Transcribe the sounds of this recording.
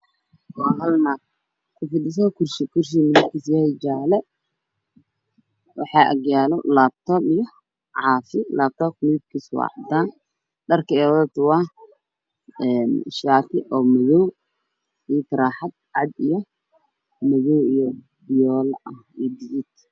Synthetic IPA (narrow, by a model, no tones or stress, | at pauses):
waːɦɐlnaː | kʰʊfɪd̪ɪs̬ɔkʰʊrʃkʰʊrʃ̬imɪɪb̚kʰiːsjɛhɛd͡ʒaːlɛ | wɑ̰ħɑːʔɐ̰ɡjaːlɔlaːb̚t̪ʰɔːmijɔ | ʕɑːfɪlaːb̚t̪ʰɔːkmɪɪb̚kʰiswɑ̰ʕd̪aːn | ɖɐrkʰɛːwðɐt̪ʊwa | ɛːnʃaːtʰɪʔɔːmɐjɔw | siːt̪ɾaːħad̪̚ʕɑd̪ijɔ | mɐjɔwijɔ | bɪjɔːlʔɐhijbɪzɪt̪